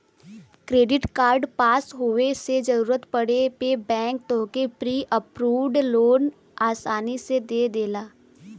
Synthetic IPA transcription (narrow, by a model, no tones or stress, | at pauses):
kɾeːɖɪʈkaːɾɖpaːsɦoːesed͡ʒɐɾuːɾət̪pɐɽepebɛ̃ːŋk̚t̪õːkepɾiːʔəpɾuːʋɖloːn | aːsaːnised̪eːd̪eːlaː